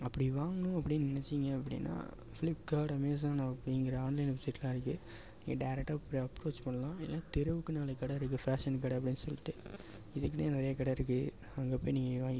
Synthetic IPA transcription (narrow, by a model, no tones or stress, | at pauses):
ɐpːɐɽiʋaːŋɡɐɳʊ̃ɐpːɐɽinnɪnɛt͡ʃːɪŋɡɐɐpːɐɽḭnːa̰ː | fɪlɪpkaːɾɽɐmeːs̬aːnʊ̃ɐpːɐɽiŋɡɪɾɐaːnlɐɪnʋɪsɪʈːlãːɪɾɯkːɯ | niːŋɡɐɖɐɪɾɛk̚ʈaːpːɽɐpːɾoːt͡ʃpɐɳːɐlãːɛlːãːt̪ɛɾɯʋɯkːɯnaːlɐkɐɽɐɪɾɯkːɯfɾaːʂɐnk̬ɐɽɐpːɐɽɪnːɯsɔlːɪʈːɯ | ɪðɯk̬ːnenɐɾɐjɐkɐɽɐɪɾɯkːɯ | ɐŋɡeːpoːjniːŋɡɐʋaːɡ